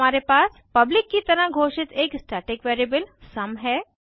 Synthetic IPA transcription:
aːɾepaːs | pɐblɪkːit̪ɐɾə̃ɦɡʱoːʃɪt̪eːksʈaːʈɪkʋeːɾəbəlsɐmɦɛː

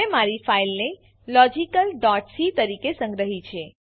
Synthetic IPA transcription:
emaɾifailne | lɔd͡ʒikəlɖɔʈsit̪əɾikesə̃ŋɡɾəɦit͡ʃʰe

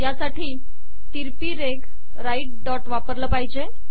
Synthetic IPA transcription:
jasaʈiː | t̪iɾpiːɾeɡ | ɾaiʈ̚ɖɔʈʋapəɾləpaɦid͡ʑe

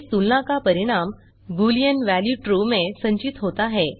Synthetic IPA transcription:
t̪ulnãkapəɾiɽ̃am | ɡulijənʋæljuʈɾomesəɲt͡ɕit̪ɦot̪aɦe

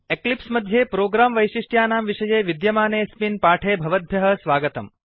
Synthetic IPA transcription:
eklipsmɐd̪ʱːjeːpɾoːɡɾaːmʋɐjʃiʂʈjaːnaːmʋiʂɐjeːʋid̪jɐmaːneːspinpaːʈʰeːbʱɐʋɐd̪̚bʱjɐɦɐ̆sʋaːɡət̪ɐ̰m

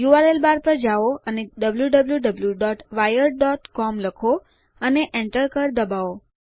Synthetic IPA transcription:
juʋalelbaɾpəɾd͡ʒaoəneɖəbljuɖəbljuɖəbljuɖɔʈʋajəɾɖɔʈkɔmləkʰo | əneʔɛ̃ɳʈəɾkəɾd̪əbao

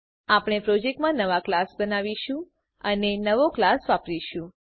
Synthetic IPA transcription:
apɽ̃epɾod͡ʒek̚ʈmãnəʋaklasbənaʋiʃũ | ənenəʋoklasʋapɾiʃũ

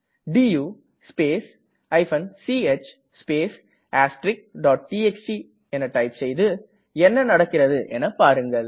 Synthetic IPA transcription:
ɖiːjuː | speːs | ɐɪfɐnsiːet͡ʃ | speːs | aːsʈɾɪk̚ɖɔːʈ̚ʈiːɛsʈi | ɛnːɐʈɐɪpsɛjðɯ | ɛnːɐnɐɽɐkːɪɾɐðɯʔɛnːɐpaːɾɯŋɡɐɭ

